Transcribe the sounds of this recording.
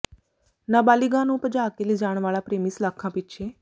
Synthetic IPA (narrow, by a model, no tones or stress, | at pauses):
naːbaːliɡãnũːpəd͡ʒaːkeliːd͡ʒaːɽ̃ʋaːlaːpɾeːmislaːkʰãːpɪtːʃʰeː